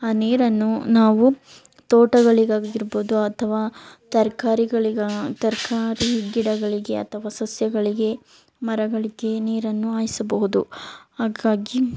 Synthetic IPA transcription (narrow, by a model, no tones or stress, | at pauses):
aːniːɾɐnːunaːʋu | t̪ɔːʈɐɡɐɭiɡaːɡiɾboːd̪uɐt̪ʰɐʋaːt̪ɐɾkaːɾiɡɐɭiɡt̪ɐɾkʰaːɾiɡːiɽɐɡɐɭiɡe̞ɐ̰t̪ʰɐʋaːsɐsjɐɡɐɭiɡe̞ | mɐɾɐɡɐɭiɡe̞niːɾɐnːuaːjisɐbɐɦud̪uhaːɡaːɡi